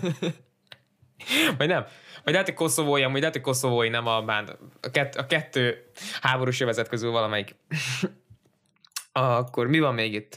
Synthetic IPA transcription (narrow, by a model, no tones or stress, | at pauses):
vɒɟnɛmvɒɟlɛt̪ocʲko̞so̞voːjiɒmuːɟlɛt̪oc̚ʲko̞so̞voːjinɛmɒbaːnd̪ɒkɛt̪ːɒkɛt̪ːøːhaːbo̞ɾuːʃøvɛzɛt̪̚køzylvɒlɒmɛjik | ɒkːormivɒmːeːɡit̪ː